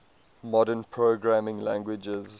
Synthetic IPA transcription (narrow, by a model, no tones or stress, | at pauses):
mɔdənpʰɹoɡɹamɪ̃ŋlã̰ŋɡwɪd͡ʒəz